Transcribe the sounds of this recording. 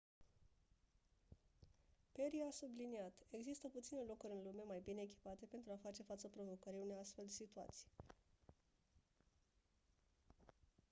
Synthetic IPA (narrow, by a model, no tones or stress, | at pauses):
pe̞ɾiasubliniat̪e̞ɡzist̪əput̪sine̞lo̞kuɾʲɨnlume̞majbine̞ːk̬ʲi̥pat̪e̞pe̞nt̪ɾuafat͡ʃe̞fat̪səpɾo̞vo̞kəɾiune̞ast̪fe̞ld̪esit̪ua̰t̪si̥j